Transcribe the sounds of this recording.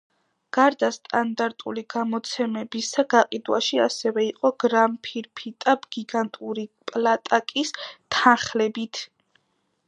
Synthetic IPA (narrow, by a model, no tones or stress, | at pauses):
ɡ̥aɾd̪ast̪ʼand̪aɾt̪ʼṵliɡamɔt̪sʰɛmɛbisaɡaqʼid̪wa̰ʃia̰sɛvɛiqʼɔɡ̥ɾampʰiɾpʰit̪ʼabɡ̥iɡant̪ʼuɾipʼlat̪ʼakʼist̪ʰaχlɛbit̪ʰ